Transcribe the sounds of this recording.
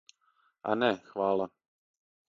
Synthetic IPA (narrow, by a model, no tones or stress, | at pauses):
ʔa̰nɛxʋaːla